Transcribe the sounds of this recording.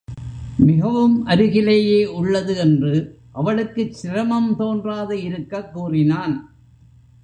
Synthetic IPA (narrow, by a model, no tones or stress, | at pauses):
mɪɣɐʋɯmʔɐɾɪɣɪleːjeːʔʊɭːɐðɯɛndrɯ | ʔɐʋɐɭɯkːɯt͡ʃːɪɾɐmɐmt̪oːndraːðɐɪɾɯkːɐkːuːrɪnaːn